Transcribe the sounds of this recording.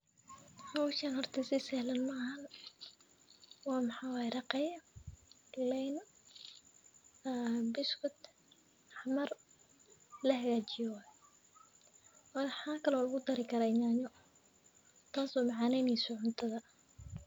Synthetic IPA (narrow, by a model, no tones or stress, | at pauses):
hɐwʃaːnhɔrt̪ʰɐsisɛhlɐnmɐːɦɐn | wɑːmɑħaːwaːjɛɾɑqɛjɐ | lɛjn | bɪskʊt̪ | ħmɐr | lɐɦɐɣaːt͡ʃɪjɔwaːj | wɑːħaːkʰɐlɔlʊɣʊd̪ɐɾɪkʰɐɾaːɪɲaːɲɔ | t̪ʰaːsɔmɑʕaːnɛjniːsʊʕʊnt̪ʰɐðɐ